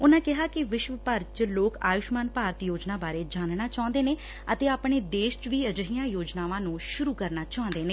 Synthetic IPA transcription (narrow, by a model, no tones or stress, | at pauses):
ʊnãːkɪɦaːkɪʋɪʃʋəpəɾt͡ʃloːkaːjʊʃmaːnpaːɾət̪joːd͡ʒnaːbaːɾeːd͡ʒaːnnaːt͡ʃãːnd̪eːneː | ət̪eːaːpɳeːd̪eːʃt͡ʃʋiːəd͡ʒəɦijãːjoːd͡ʒnaːʋãːnũːʃʊɾuːkəɾnaːt͡ʃaːʊ̃nd̪eːneː